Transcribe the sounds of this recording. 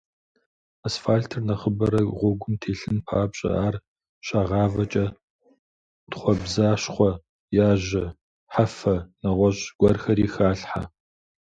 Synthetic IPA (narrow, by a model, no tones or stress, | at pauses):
asfaːɬtʰɨrnɐχəbɐɾɐʁʷʊɡʷʊntʰeːɬɨnpʰaːbɕʼɐ̰aːr | ɕɐʁɑːvɐt͡ʃʼɐ | d̥χʷɔbzaːɕχʷɔ | jaːʑɐ | ħafɐnɐʁʷɔɕɡ̥ʷɔrxɐriːxaːɬħa̰